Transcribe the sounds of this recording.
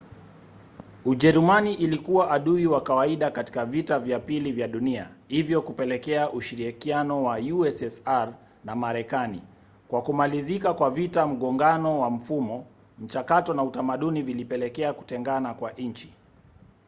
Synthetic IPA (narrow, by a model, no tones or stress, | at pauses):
uʄɛɾumaniʔilikuwaʔaɗuiwakawaiɗakati̥kavitavjapilivjaɗunia̰hivjɔkupɛlɛkɛaʔuʃiɾikianɔwajuɛsɛsaɾ | namaɾɛkanḭ | kwakumalizikakwavitam̩ɠɔŋɡanɔwam̩fumɔ | m̩t͡ʃakatɔnautamaɗunivilipɛlɛkɛaku̥tɛŋɡanakwaʔnɲt͡ʃi̥